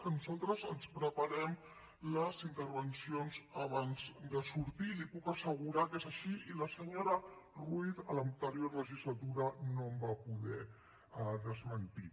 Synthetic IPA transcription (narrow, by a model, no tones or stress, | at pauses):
ənuzalˠt̪ɾəzənspɾəpaɾɛm | ləzint̪əɾβənsionzəβanzd̪əsuɾt̪ilipukəsəɣuɾakezəʃiiləsəɲoɾəruiθələnt̪əɾioɾləʒizlat̪uɾənombapuðɛ | ðəzmənt̪i